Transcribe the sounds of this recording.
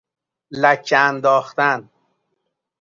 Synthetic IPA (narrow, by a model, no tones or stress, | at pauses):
læt͡ʃand̪ɔːxt̪an